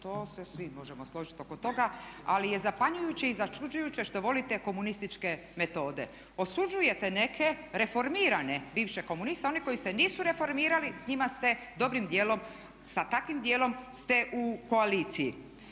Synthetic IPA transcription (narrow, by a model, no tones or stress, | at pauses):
t̪o̞ːsesʋimo̞ʒemo̞slˠo̞ʒit̪o̞ko̞t̪o̞ɡaa̰lije̞zapaɲujut͡ɕeizat͡ʃud͡ʑujut͡ɕe̞ʃt̪o̞ʋo̞lit̪e̞ko̞munist̪it͡ʃke̞ | me̞t̪o̞ːd̪e̞̰ | o̞sud͡ʒuje̞t̪e̞ne̞kʰe̞ɾe̞fo̞ɾmiːɾane̞biːʋʃeko̞munist̪eo̞niko̞jiseniːsuɾe̞fo̞ɾmiːɾalisɲimast̪e̞ | d̪o̞bɾimd̪jeːlo̞m | sat̪akʋimd̪jeːlo̞mst̪e̞ʔuko̞aliːt̪sijḭ